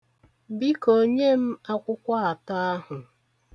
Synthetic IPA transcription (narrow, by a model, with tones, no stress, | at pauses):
bi˦ko˨ɲe˦m̩˦a˦kʷʊ˦kʷa˦a˨ta˦a˦hʊ˨